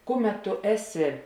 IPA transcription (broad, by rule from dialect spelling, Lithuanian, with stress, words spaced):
ˈkʊˌmʲɛt tʊ ˈæːˌsʲɪ